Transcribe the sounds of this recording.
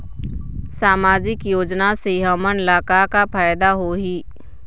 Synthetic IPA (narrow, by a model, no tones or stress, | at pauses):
saːmaːd͡ʒɪkjoːd͡ʒnaseɦɐmənɪlaːkakapʰaːjd̪aɦoɦiː